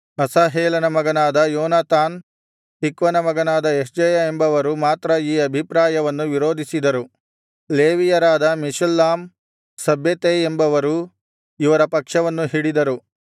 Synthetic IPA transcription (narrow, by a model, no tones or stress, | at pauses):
ɐsaːɦeːlɐnɐmɐɡɐnaːd̪ɐjɔːnaːt̪aːn | t̪ikʋɐnɐmɐɡɐnaːd̪ɐesd͡ʒɐjɐe̞mbɐʋɐɾumaːt̪ɾɐiːɐbʱipɾaːjɐʋɐnːuʋiɾoːd̪ʱisid̪ɐɾu | leːʋijɐɾaːd̪ɐmiʂɐlːaːm | sɐbʱjɐt̪eembɐʋɐɾu | iʋɐɾɐpɐkʂɐʋɐnːuɦiɽid̪ɐɾu